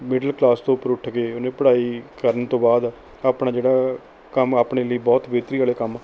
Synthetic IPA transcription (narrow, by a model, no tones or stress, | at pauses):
mɪɖəlklaːst̪õːpːəɾʊʈʰɡeːʊnẽːpəɽaːiːkəɾənt̪õːbaːd̪ | aːpɳãːd͡ʒeːɽaː | kəmaːpɳeːləiːbɔːt̪beːt̪ɾiːaːleːkəm